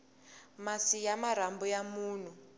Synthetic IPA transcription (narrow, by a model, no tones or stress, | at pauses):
masijamaɾ̤ambujamuːn̤u